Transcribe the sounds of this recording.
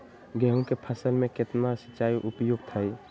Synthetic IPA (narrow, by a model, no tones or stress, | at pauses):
ɡɛɦõkepʰəsəlmẽkɪt̪nasət͡ʃːaːiʔʊpjoːɡt̪ʰai